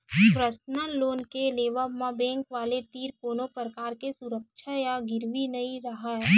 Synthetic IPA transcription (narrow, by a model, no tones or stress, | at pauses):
pɾəsnənloːnkeleːʋamãbɛ̃ːŋkʋaːlet̪iːɾkoːnopɾəkaːɾkesʊɾəkʃʰajaɡɪɾʋinɐiɾɐɦaɦɛ